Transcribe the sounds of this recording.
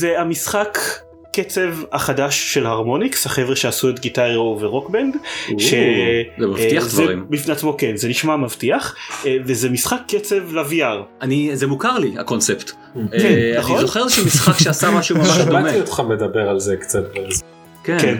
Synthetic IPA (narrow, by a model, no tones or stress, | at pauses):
zeamisχakː | et͡se̞vaχadaʃːe̞lhaʁmo̞nikshaχevʁeʃeasuet̪ɡitaʁoveʁokbenɡʃezemaiaχdvzeʁimbifneat͡smo̞kenzeniʃmamavtiaχvezemisχakʰːet͡se̞vlaviaʁʔanizemukaʁlia̰konsept̪ | kennaχonzoχeezeʃumisχakʃeasamaʃumamaʃdameiot̪χamedabeʁalzekt͡sat̪̚bez | keken